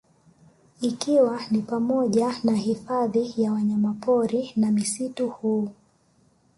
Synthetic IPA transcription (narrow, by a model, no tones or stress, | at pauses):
ikiwanipamɔʄanahifaðijawaɲamapɔɾinamisituhuː